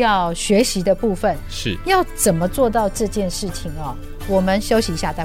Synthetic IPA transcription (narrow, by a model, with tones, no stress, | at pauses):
jɑ˥˩ʊɕɥɛ˧˥ɕi˧˥d̪ə˧pu˥˩fə˨˩nʂ̩˥˩jɑ˥˩ʊt͡sə˨˩nmə˦t͡swɔ˥˧t̪ɑ˥˧ʊʈ͡ʂɤ˥˧t͡ɕjɛ˥˧nʂɻ̩˥˩t͡ɕʰi˨˩ŋɐ˨ | wɔ˨˩mə˦nɕjo˥ʊɕi˧˥ɕja˥˧t̪a˥˧˩